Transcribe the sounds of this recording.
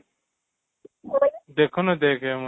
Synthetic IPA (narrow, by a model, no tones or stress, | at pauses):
d̪ekʰonɐd̪eːkʰem